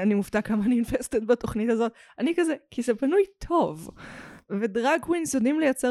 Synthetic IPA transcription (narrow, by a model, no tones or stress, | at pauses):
animuftakamanijunfestetbato̞χnitazo̞t̪̚anikazɛkʰizepanujtʰo̞v | vedʁaɡwuinsodimlejat͡se